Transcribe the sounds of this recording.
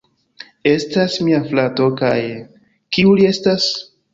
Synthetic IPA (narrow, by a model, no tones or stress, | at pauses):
e̞stasmiaflato̞ka̰j | kiulie̞stas